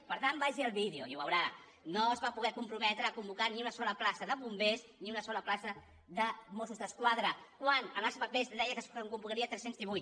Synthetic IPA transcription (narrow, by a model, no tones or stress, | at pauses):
pəɾt̪ambaʒiəlˠβiðeuḭuβəwɾa | noəzβapuɣɛkumpɾumɛt̪ɾəːkumbukaniunəsɔləplasəðəβumbesniunəsɔləplasə | ðəmosuzðəskwaðɾəkwanəlasβəpest̪ðɛjəkəsəŋkumbukəɾiət̪ɾɛsenzðiβujt̪